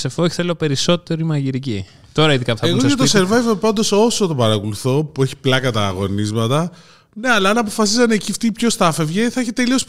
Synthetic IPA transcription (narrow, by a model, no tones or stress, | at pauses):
se̞foçi̥θe̞lo̞pe̞ɾiso̞t̪e̞ɾiimɐʝiɾici | t̪o̞ɾɐiðikɐft̪ɐeɣoset̪oseɾvɐjvepɐnd̪o̞so̞sot̪opɐɾɐkuluθo̞pueçi̥plɐkɐt̪ɐːɣo̞nizmɐt̪ɐ | ne̞ɐlɐɐnɐpo̞fɐs̬izɐnecift̪ipço̞st̪ɐfe̞vʝeθɐeçet̪elio̞s